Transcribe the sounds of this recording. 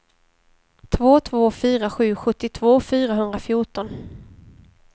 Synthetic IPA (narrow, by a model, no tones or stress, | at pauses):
t̪ʰvoːt̪ʰvoːfyːɾaɧʉ̟ːɧɵt̪ːɪt̪ʰv̥oːfyːɾaɦɵnd̪ɾafjʊʈɔn